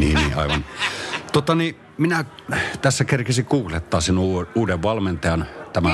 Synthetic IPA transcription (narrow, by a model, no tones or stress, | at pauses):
nḭːniːʔʔɑ̰ˑiʋɑnt̪ot̪ɑni | minæt̪æsːækerkesiŋkuːklet̪ːɑːsenuːuːdeʋʋɑlment̪ɑjɑnt̪æmæ